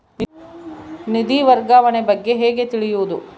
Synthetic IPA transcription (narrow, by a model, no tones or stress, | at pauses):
nid̪iʋɐɾɡaːʋɐnebɐɡːe̞ɦeːɡe̞t̪iɭijuːd̪u